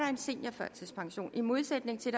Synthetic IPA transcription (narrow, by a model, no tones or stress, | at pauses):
ɑ̈e̝nse̝n̰jɐfɶɐ̰t͡sʰespʰɑ̈ŋɕo̝̰ːnʔimo̝ðˠsed̥ne̝ŋt͡sʰe̝d̥